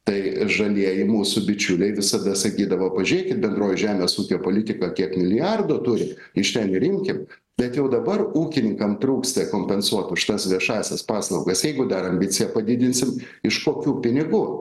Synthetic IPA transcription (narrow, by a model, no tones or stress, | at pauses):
t̪ɐɪʒɐlʲiɛjɪmuːsʊbʲɪt͡ʃʲʊlʲɛɪʋʲɪsɐd̪ɐsɐkʲiːd̪ɐʋoːpɐʒʲyɾʲeːkʲɪt̪̚bʲɛnd̪roːjʊʒʲæːmʲeːsuːkʲoːpoːlʲɪt̪ʲɪkɐkʲiɛkmʲɪlʲɪjɑrd̪oːt̪ʊɾʲɪ | ɪʃt̪ʲɛnɾʲɪmʲkʲɪm | b̥ʲɛt̪jɛʊd̪ɐbɐruːkʲɪnʲɪŋkɐmt̪ɾuːkst̪ɐkoːmʲpʲɛnsuɔt̪ʊʃt̪ɐsʋʲiɛʃɑːsʲɛspɑːslˠɐʊɡɐsjɛɪɡʊd̪ɐɾɐmʲbʲɪt̪t͡s̪ʲɪjɛpɐd̪ʲɪd̪ʲɪnʲsʲɪm | ɪʃkoːkʲuːpʲɪnʲɪɡuː